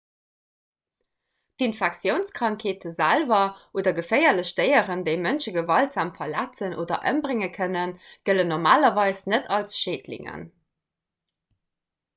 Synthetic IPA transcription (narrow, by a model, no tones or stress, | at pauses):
dinfæk̚t͡sjəʊnskʁɑŋkʰeːtʰəzælvɐʔoːdɐɡəfɜɪɐləɕdəɪəʁəndəɪmənʃəɡəvɑltz̥aːmfɐlæt͡sənʔo̰ːdɐ̰ʔə̰mbʁɪŋəkʰənənɡ̥ələnːoʁmaːlɐvɑɪsnətʰɑlsʃeːdlḭŋə̰n